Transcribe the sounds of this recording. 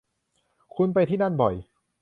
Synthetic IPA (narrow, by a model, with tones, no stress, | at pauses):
kʰu˧np̬a˧jt̪ʰi˥˩na˥˩nbɔ˨˩j